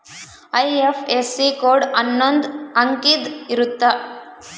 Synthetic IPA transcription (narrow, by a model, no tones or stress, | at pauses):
ɐjefʰesːikoːɾɖɐnːond̪ɐŋkid̪iɾut̪ːɐ